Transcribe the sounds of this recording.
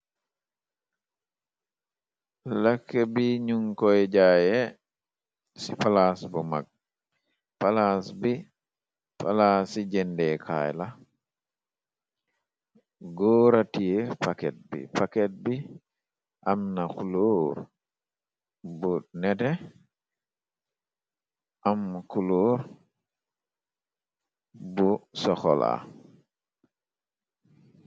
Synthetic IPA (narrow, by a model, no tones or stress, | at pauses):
lakːɛbiɲuŋkɔjd͡ʒajɛ | sipalasbɔma̰ɡ̚ | palasbi | pa̰lasid͡ʒɛndɛkʰa̰jla | ɡɔːɾatijɛpakɛt̚bḭpakɛt̚bi | ʔamnakuloɾ | bunɛtɛ | ʔamkuloɾ | busɔxɔ̰la̰